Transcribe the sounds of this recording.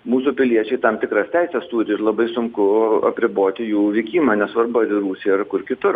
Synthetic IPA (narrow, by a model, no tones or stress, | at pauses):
muːsuːpʲɪlʲiɛt͡ʃʲɛɪt̪ɐmt̪ʲɪkɾɐst̪ʲɛɪsʲɛst̪uːɾʲɪɪɾlˠɐbɐɪsʊŋkʊɐ̰pʲɾʲɪboːt̪ʲɪjuːʋʲɛɪkʲiːmɐːnʲɛsʋɐrbʊɐɾʲɪɾuːsʲijɪrkʊrkʲɪt̪ʊr